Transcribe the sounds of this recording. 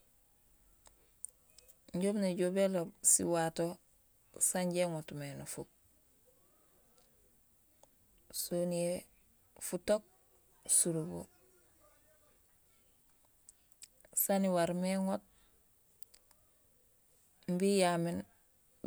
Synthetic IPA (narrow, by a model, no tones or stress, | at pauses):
ɲɟobneɟobelobsḭwato | saɲɟeŋotmenofuk̚ | sonie | futok̚ | suɾubo̰ | saniwaɾmeŋot̚ | mbijamen